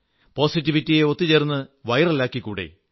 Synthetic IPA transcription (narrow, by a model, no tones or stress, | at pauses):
po̞ːsit̬ːiʋitːijeo̞t̪ːit͡ɕeːrnːɨʋɐjrɐlːaːkːikːuːɽe̞̰